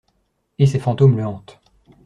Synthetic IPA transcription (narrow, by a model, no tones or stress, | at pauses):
esefɑ̃t̪omləɑ̃t̪